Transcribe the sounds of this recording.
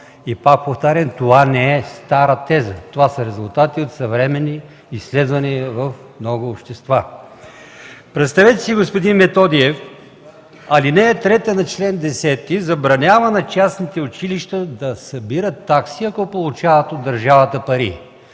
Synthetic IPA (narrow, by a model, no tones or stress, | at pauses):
ipak̚poft̪aɾɛnt̪ovanɛɛst̪aɾət̪ɛzət̪ovasɐɾɛzʊlˠt̪at̪iot̪sɐvɾɛmɛnːiː | sːlɛd̪vɐniəvɐfmnɔɡʊːpʃt̪ɛst̪va | pɾɛt̪st̪avɛt̪ɛ̥siɡospod̪inmɛt̪ɔd̪iɛf | ɐlinɛːt̪ɾɛt̪ənɐt͡ʃlɛnd̪ɛsɛt̪ːizɐbɾɐnʲavɐnɐt͡ʃasnit̪ɛʊt͡ʃiliʃt̪əd̪ɐsɐbiɾət̪ːaksiɐkɔpolˠut͡ʃavɐt̪od̪ːɐɾʒavət̪əpɐɾḭ